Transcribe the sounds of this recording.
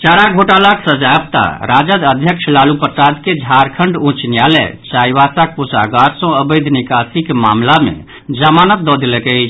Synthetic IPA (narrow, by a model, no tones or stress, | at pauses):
t͡ʃaɾaɡʱoʈalaksəd͡ʒab̚t̪a̰ɾad͡ʒəd̪əd̪ʱjəkʃʰlalupɾəsad̪ked͡ʒʱaɾkʰəɳɖũt͡ʃnjalɛ̰t͡ʃajʋasak̚pusa̰ɡaɾsɔ̃əbəɪd̪nikasikema̰mlamḛ | d͡ʒəmanət̪̚d̪ɔd̪elɛkɛt͡ʃʰ